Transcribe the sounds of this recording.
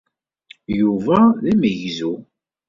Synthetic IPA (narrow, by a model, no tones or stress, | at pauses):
juvæðæməʝzu